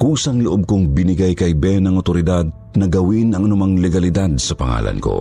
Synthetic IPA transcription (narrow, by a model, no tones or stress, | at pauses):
kuːsɐŋloʔob̚koŋbɪnɪɡajkɐjbɛnɐŋot̪oɾɪd̪ad̪̚ | nɐɡɐwinɐŋʔɐnʊmaŋlɛɡɐlɪd̪ad̪̚sɐpɐŋa̰ːlʔɐ̰nko̰